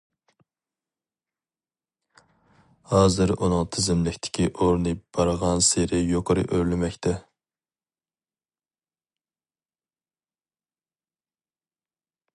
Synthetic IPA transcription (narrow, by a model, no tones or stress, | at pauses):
hɑːzɨɾunɨŋt̪ʰɪzɪmlɪkʲt̪ʰɪ̥kʲiʔoɾnɨb̥ɑɾʁɑnseɾɪjoqʰəɾɨ̰ʔøɾlɪmɛkʲt̪ʰɛ